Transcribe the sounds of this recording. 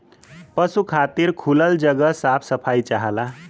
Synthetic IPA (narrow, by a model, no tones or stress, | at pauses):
pʌsukʰat̪iɾkʰuləld͡ʒʌɡʌsapʰsʌpʰajt͡ʃaɦəla